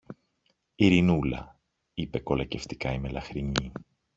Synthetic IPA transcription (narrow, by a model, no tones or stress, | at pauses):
iɾinulɐ̰ | ipe̞ko̞lɐce̞ft̪i̥kɐime̞lɐxɾiɲi